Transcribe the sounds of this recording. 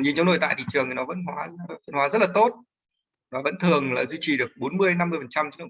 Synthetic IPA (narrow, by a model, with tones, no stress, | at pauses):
ɲi˧˩nt͡ɕa˨˦wnɗo˨˩t̪a̰˧˨jt̪ḭ˧˨t͡ɕɨ˨˩əŋt̪i˨˩nɔ˨˦ə̰˧˥nɦwaː˨˦fə˧nhwaː˨˦zə˦˥laː˨˩t̪o˦˥t̚ | nɔː˨˦və̰˧˥nt̪ʰɨ˨˩əŋlaː˨˩zwi˧t͡ɕi˨˩ɗɨ˨˩ək̚ɓo˨˦nmɨ˧əjna˧mːɨ˧əjfə˨˩nt͡ɕa˧mt͡ɕnɨ˧˨˩